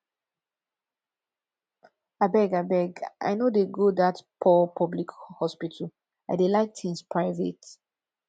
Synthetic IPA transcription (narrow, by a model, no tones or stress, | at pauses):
abɛɡabɛɡʔa̰jnodeɡodatpʰɔpʰɔblikhɔspitʰəl | aɪdelaɪk̚tʰĩŋspʰɹaɪvḛt